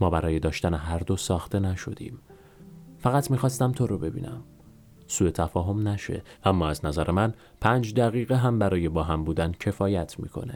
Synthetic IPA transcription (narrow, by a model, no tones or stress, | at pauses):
mɒːbæɾɒːje̞d̪ɒːʃt̪æneɦæɾd̪o̞sɒːxt̪e̞næʃo̞̰d̪̥ḭːm | fæɣæt̪ʰmiːxɒːst̪æmt̪ʰo̞ɾobe̞bḭːnʔæ̰m | suːe̞t̪ʰæfɒːɦo̞mnæʃe̞̰ʔæmːɒːæznæzæɾemæn | pʰænd͡ʒd̪æɣiːɣeɦæmbæɾɒːje̞bɒːɦæmbuːd̪æncʰe̞fɒːjæt̪ʰmḭːkʰo̞̰ne